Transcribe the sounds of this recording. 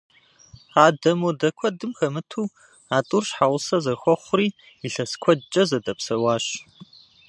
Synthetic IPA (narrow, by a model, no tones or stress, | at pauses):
raːdɐmoːdɐkʷʰɔdɨmxɐmɨtʰuː | aːtʼurɕħawʷʊsɐzɐxʷɔχʷʊriː | iɬɐskʷʰɔt͡ʃʼɐzɐdɐpsɐwaːɕ